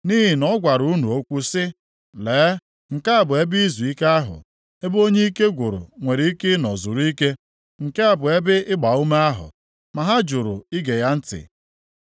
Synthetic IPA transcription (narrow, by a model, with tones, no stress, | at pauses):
ni˦ɦi˨nɔ˦ɡʷa˨ɾu˨˦nu˨o˦kʷu˦sɪ˦ | leː˨˦ | ŋ̩˨ka˦a˦˨bʊ˨e˦bi˦zu˨i˦ka˦ɦʊ̰˨ | e˦bo˦ɲe˦i˦ke˦ɡʷʊ˨ɾʊ̰˨ŋʷe˨ɾi˦i˦ke˦nɔ̰˨zʊ˨ɾu˦i˦ke˦ | ŋ̩˨ke˦a˨bʊ˨e˦bɪ˦ɪ˦ɡ͡ba˨u˦me˦a˦ɦʊ̰˨ | ma˨ɦa˦d͡ʒʊ˨ɾʊ̰˨i˦ɡe˨ja˦n̩˦tɪ̰˨